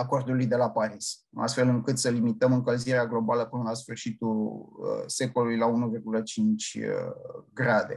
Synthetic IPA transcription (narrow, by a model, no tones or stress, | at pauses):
ako̞rd̪ulujd̪e̞lapaɾis | a̰st̪fe̞lɨŋkɨt̪səlimit̪əmɨŋkəlziɾeaɡlo̞baləpɨnəlasfɨrʃit̪ṵ | se̞ko̞lulujlaunuvirɡulət͡ʃint͡ʃʲ | ɡɾad̪e̞̰